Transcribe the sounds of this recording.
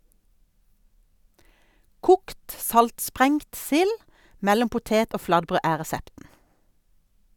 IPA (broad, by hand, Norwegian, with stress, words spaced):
ˈkʊkt ˈsɑltˌspʁɛŋt ˈsɪl ˈmɛlɔm pʊˈteːt ˈoː ˈflɑdˌbʁøː ˈæː ʁɛˈsɛptn̩